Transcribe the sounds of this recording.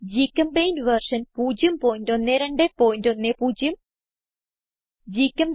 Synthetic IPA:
d͡ʑikːɐmpejnʋɐrʂɐnpuːd͡ʑjɐmpoːjindo̞nːeɾeɳɖepoːjndonːeːpuːd͡ʑjɐm | d͡ʑikːɐmb

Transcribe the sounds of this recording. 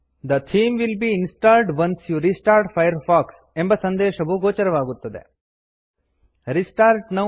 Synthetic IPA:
d̪ɐt̪ʰĩːmʋilbiːinsʈaːlɖʋɐ̃nsjuɾisʈaːɾʈfʰajɐɾfaːks | ẽmbɐsɐ̃nd̪eːʃɐʋuɡoːt͡ʃɐɾɐʋaːɡut̪ːɐd̪ḛ | ɾisʈaːɾʈnɐ

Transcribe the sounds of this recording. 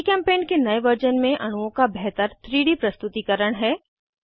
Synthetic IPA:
kɛ̃ːmpeːnkenɐeʋəɾd͡ʒənmẽʔɐñuõkabɛɦt̪əɾt̪ɾiːɽipɾɐst̪ʊt̪ikɐɾəɽ̃ɦɛː

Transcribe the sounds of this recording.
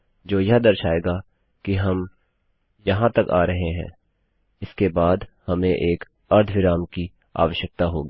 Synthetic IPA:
d͡ʒoːjɐɦd̪ɐɾʃaːeːɡa | kiɦɐm | jɐɦãt̪ɐkaːɾɐɦeɦɛ̰̃ː | ɪskebaːd̪hɐmẽʔeːk | ɐɾt̪ʰʋɪɾaːmki | a̰ːʋəʃjək̚t̪aɦo̰ːɡiː

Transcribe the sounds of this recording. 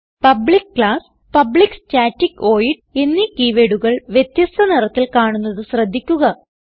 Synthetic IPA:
pɐbɭikkɭaːs | pɐbɭikst͡ɕaːtːiko̞ːjiɖe̞nːikiːʋeɽuɣɐɭʋjet̪jɐst̪ʰɐnirɐt̪ːilkaːɳunːɐðɨɕrɐd̪ʱːikʲːuɣɐ

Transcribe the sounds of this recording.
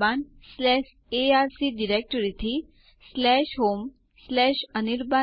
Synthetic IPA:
banslɛʃ | eaɾsiɖiɾek̚ʈəɾit̪ʰi | slɛʃɦom | slɛʃəniɾba

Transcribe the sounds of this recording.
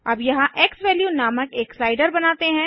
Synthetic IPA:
ɐbjɐɦãʔeːksʋɛːljunaːməkeːksaːɪɖəɾbɐnaːt̪eɦɛ̃ː

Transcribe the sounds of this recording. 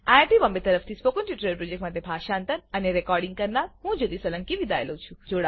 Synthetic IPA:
aʈiʋambet̪əɾəft̪ʰispokənʈiʈɾəlpɾod͡ʒekʈmaʈ̪̬ebʱaʃant̪ənəneɾekɔɾɖĩŋɡ̚kəɾnaɾɦũd͡ʒod̪isələ̃ŋkiʋid̪ajlot͡ʃʰũd͡ʒoɽa

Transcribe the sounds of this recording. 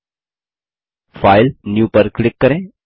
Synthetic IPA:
faɪlnjuːpəɾklɪkːəɾẽ

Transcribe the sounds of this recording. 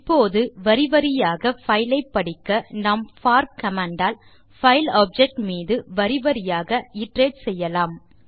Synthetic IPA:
ɪpːoːðɯʋɐɾɪʋɐɾɪjaːɣɐfɐɪlɐɪpːɐɽɪkːɐnɐmfaːɾkɐmaːɳɖaːl | fɐɪlaːp̚d͡ʒɛk̚ʈmiːðɯʋɐɾɪʋɐɾɪjaːɣɐɪʈreːɖsɛjːɐlaːm

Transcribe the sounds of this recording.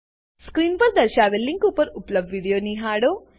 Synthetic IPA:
skɾiːnpɐɾd̪ɐɾʃaːʋelːiŋkupɐɾuplɐɖʋiːɽijoːniːɦaːɽoː

